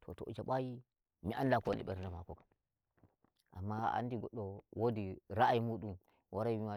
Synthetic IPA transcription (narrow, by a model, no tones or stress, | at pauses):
tʰo̰toʔd͡ʒaɓaji | miʔandakonḭɓḛɾndamakokḁ | ʔa̰mːaa̰ndiɡoɗːowodiɾaajimuɗum | wʔaɾamima